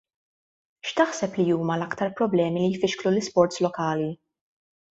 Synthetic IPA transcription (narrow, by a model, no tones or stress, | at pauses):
ʃt̪ɐħsɛplijuːmɐlɐkt̪ɐɾpɾɔblɛːmilijfɪʃklulɪspɔɾt̪slɔkɐːli